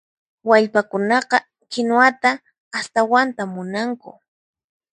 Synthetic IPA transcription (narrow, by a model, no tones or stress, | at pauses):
waʎpakʊnɑqɑ | kɪnwat̪aː | st̪awant̪amʊnaŋkʊ̰